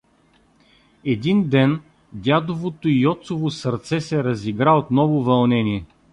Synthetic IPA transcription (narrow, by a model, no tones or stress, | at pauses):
ɛd̪ind̪ɛn | d̪ʲad̪ovot̪oijɔt̪sovosɐɾt̪sɛsɛɾɐziɡɾaot̪nɔvovɐlˠnɛniɛ